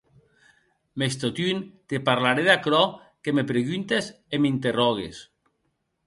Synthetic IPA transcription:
mest̪ot̪ynt̪epaɾlaɾeðakɾɔ | kemepɾeɣynt̪es | emint̪erɔɣ̞ḛs

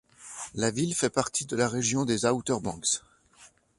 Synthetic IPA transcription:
lavilfɛpaʁt̪ʰid̪əlaʁeʒjɔ̃d̪ezaut̪œʁbɑ̃ks

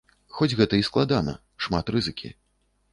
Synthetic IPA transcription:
xɔd͡zʲɣɛt̪ɐisklˠad̪anɐ̰ | ʂmat̪rɨzɨkʲḭ

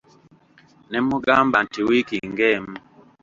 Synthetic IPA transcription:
nɛmuɡambantiwikiŋɡɛm

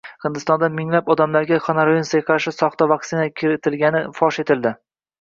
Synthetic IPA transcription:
hɪnd̪ɪst̪ɒnd̪amɪŋlapɒd̪amlaɾɡʲaχonaɾojɪnsejqʰɑʃɪsɒχt̪avak̚ʲsɪnakʲʰɪɾɪt̪ʰɪlɡʲanɪfɒʃe̞t̪ʰɪld̪ɪ

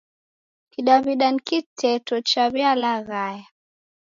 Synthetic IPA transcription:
kiɗaβiɗankitʰɛtɔt͡ʃaβjalaɣaja

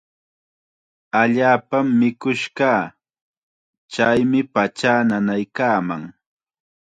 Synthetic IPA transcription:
aʎaːpamːɪkʊʃkaː | t͡ʃajmɪpat͡ʃaːnanajkaːmaŋ

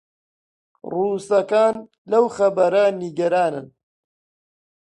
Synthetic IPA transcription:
ruːsɐkaːn | lɐwxɐbɐɾɐniɡɐɾaːnɨ̰n

